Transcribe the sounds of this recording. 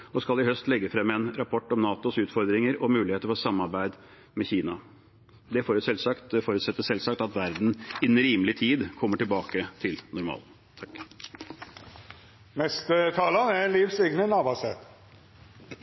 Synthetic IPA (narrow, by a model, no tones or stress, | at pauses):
ɔskɑlɪɦœst̪lɛɡːəfɾɛmːəɛnɾɑpʰɔʈːɔmnɑːt̪ʊsʉːt̪fɔɾd̪ɾɪŋəɾɔmʉːlɪheːt̪əɾfɔsɑmːɑɾbæɪd̪ | mɛçiːnɑ | d̪ɛfɔɾʉsɛlsɑkt̪fɔɾʉt̪sɛt̪ːəsɛlsɑk̚t̪ɑt̪ʋæɾd̪n̩ɪnɾiːməlɪt̪ʰiːd̪kʰɔmːəʈɪlbɑːkət̪ʰɪlnʊɾmɑ̰ːl | t̪ʰɑk | mɛst̪ət̪ʰɑːlənæliːʋsɛɡnənɑːbɑsɛt̪